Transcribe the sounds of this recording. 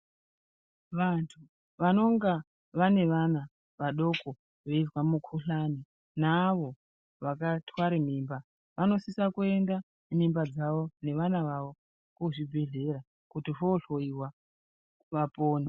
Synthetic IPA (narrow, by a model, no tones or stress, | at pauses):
ʋantʰu | ʋano̞ŋɡa | ʋane̞ʋana | ʋaɗo̞ko̞ | ʋe̞izwamukʰuɬani | naʋo̞ | ʋakatwaɾem̤iːmba | ʋano̞sisakue̞nda | m̤imbad͡zaʋo̞ne̞ʋanaʋaʋo̞ | kuʐibʱe̞ɮe̞ɾa | kutifoɬo̞iwa | ʋapoːne